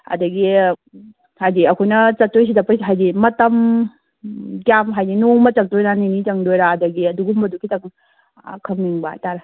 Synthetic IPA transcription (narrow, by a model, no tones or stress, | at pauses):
ɐ̰dɐɡi | hajdiɐkʰojnɐt͡ʃɐtːojs̬idɐpɐjsɦajdimɐtɐm | ɡjamɦajdinoŋmɐt͡ʃɐk̚dojɾaninitɐŋdojɾaːdɐɡiɐduɡumbɐdukitɐŋ | kʰɐmniŋbaa̰taɾɐ